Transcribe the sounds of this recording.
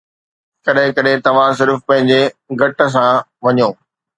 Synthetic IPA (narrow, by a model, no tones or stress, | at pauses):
kɐɗɦɪ̃kɐɗɦɪ̃t̪ɐʋ̤ãs̬ɪɾfpɐ̃ɦɪ̃ɲd͡ʑeɡʱɐʈə̆s̬ã | ʋɐɲoː